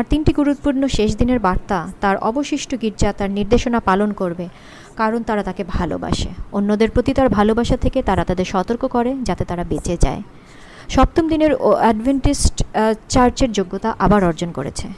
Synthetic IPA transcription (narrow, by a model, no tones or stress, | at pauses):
aɾt̪inʈiɡuɾut̪̚puɾnoʃeʃd̪ineɾbaɾt̪at̪aɾʔɔ̰boʃiʃʈʰoɡiɾd͡ʑat̪aɾniɾd̪eʃonapalonkoɾbe | kaɾont̪aɾat̪akebʱalo̰ba̰ʃeonːod̪eɾpɾot̪it̪aɾbʱalobaʃat̪ʰeket̪aɾat̪ad̪eɾʃɔt̪oɾkokɔɾed͡ʑat̪et̪aɾabet͡ɕed͡ʑa̰e | ʃɔp̚t̪omd̪ineɾɛɖbʱeɳʈisʈt͡ɕaɾd͡ʑeɾd͡ʑoɡːot̪aʔabaɾɔɾd͡ʑonko̰ɾḛt͡ɕʰe